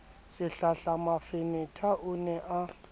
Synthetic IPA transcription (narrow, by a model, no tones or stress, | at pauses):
sɪɬaɬamafɪnɪtʰaʔʊnɛʔa